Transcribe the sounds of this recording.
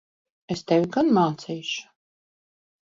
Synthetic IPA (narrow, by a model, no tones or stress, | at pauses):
est̪ɛvʲiɡanmaːt̪sijʃʊ̥